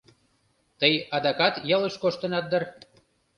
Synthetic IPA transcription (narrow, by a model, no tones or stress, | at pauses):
t̪əjɑd̪ɑkɑt̪jɑlə̆ʃkoʃt̪ə̆nɑt̪̚d̪ə̆r